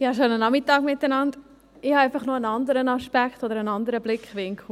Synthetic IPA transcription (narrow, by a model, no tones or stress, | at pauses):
ɪhɑʃonənɑmitɑːɡmɪtːənɑnd | ɪhɑæɪfɑχnoənɑnd̪əɾənɑʃpækχtod̪əɾənɑnd̪əɾəblɪkχʋɪŋkʰl̩